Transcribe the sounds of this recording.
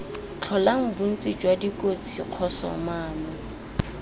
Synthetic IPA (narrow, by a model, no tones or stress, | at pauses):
t͡ɬʰɔlaŋ̩bun̩t͡sʼɪd͡ʒwadikʼot͡sʰiq͡χʰɔsɔ̰maːnɔ